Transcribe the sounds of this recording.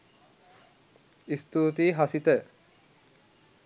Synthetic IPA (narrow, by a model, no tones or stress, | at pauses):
ist̪uːt̪iːɦasit̪ə